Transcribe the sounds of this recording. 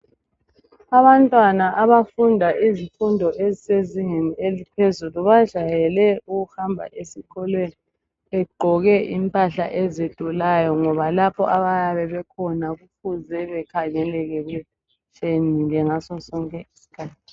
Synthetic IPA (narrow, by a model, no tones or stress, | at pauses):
aβantʼwanaʔaβafundʱaʔizifundʱɔʔeziseziŋenielipʰezuluβḁʒ̥ʱajɛlɛuɣuhambʱa̰ʔesikʰɔlweni | ɛɡ͡ǃʱɔɣɛʔimpʼaɬaʔɛzed̥ʱulajɔŋɔβalapʰɔ̰ʔaβajaβɛβɛkʰɔnaɣufʰuzɛβɛkʰaŋɛlɛɣɛɣɛ | t͡ʃʼeniŋɛŋasɔsɔŋkʼɛisi̥kʰaːt̚ʰi